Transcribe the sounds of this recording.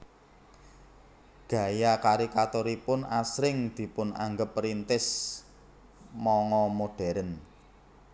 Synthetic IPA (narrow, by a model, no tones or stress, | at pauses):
ɡ̥ä̤jakaɾikat̪oɾipʊnasɾɪŋd̪̥i̤pʊna̰ŋɡəpɾint̪ɪs | mɔŋɔmoɖ̥ɛ̤ɾən